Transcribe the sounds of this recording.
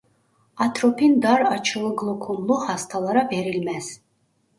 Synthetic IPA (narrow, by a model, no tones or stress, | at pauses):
at̪ʰrɔpʰind̪aɾat͡ʃʰɨlˠɨɡlˠukʰumlˠuχast̪ʰalˠaɾabɛɾilmɛs